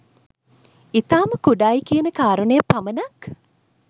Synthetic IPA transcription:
it̪aːməkuɖaːikiənəkaːɾunəjɐpamənɐk

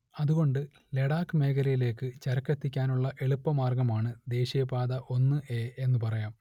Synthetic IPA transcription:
ɐðuɣo̞ɳɖɨ | le̞ɽaːkːɨme̞ːɡɐɾɐjile̞ːkːɨt͡ɕɐɾɐkːɐt̪ːikʲːaːnuɭːɐʔe̞ɭupːɐmaːrɡɐmaːɳɨd̪e̞ːɕijɐpaːðɐʔo̞nːɨʔe̞ːʔenːɨpɐrɐjaːm

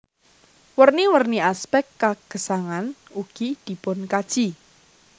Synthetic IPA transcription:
wərniwərniaspɛktːaɡ̥ə̤saŋanuɡ̥id̪̥i̤pʊnkad̥ʒ̥i

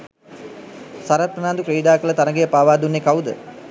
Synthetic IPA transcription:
saɾat̪̚pənaːnd̪ukɾeiɖaːkələt̪anəɡejəpaːʋaːd̪unːekawd̪ə̰

